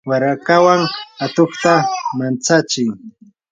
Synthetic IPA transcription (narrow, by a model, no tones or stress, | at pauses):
waɾakawaŋat̪oχt̪amant͡sat͡ʃɪj